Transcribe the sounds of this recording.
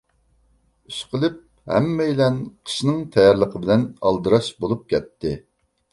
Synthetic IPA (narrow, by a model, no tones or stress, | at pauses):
yʃqəlˠɪp̚ | hɛ̰mːɛjilɛnqʰə̥ʃnɨŋt̪ʰɛjɑɾlˠəqʰəbɪlɛnɑ̰lˠd̪ɨɾɑʃbolˠup̚kʲʰɛt̪ːɪ